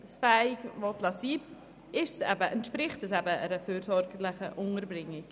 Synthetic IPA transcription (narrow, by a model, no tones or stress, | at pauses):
sfɛɪɡvotlɑsiː | ɪʃsɛ̰bəʔənt̪ʃpɾɪχtəsɛbəɛ̰ɾəfyːɾsɔɾɡəlɪχəʔʊŋəɾbɾɪŋːɪk